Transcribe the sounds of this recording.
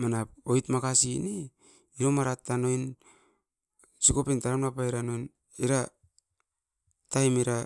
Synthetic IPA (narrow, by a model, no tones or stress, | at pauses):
manapojtmakasini | iɾo̞maɾatːano̞jn | siko̞pentaɾamnapaiɾano̞jn | iɾa | tajmiɾa